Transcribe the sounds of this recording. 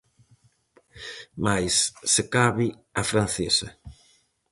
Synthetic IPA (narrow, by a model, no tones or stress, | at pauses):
majsːekaβi | afɾan̟θesɐ